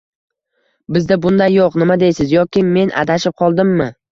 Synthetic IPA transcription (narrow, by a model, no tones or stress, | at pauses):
bɪzd̪abʊnd̪ajːoqnɪmad̪ejsɪzjɒkʲɪme̞nʔa̰d̪aʃɪp̚qʰɒlˠd̪ɪmːɪ